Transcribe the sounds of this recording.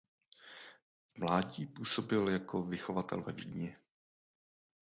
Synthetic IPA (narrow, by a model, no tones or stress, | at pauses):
mlaːɟiːpuːso̞bɪljakʰovɪxo̞vat̪ɛ̰lvɛ̰viːɲɛ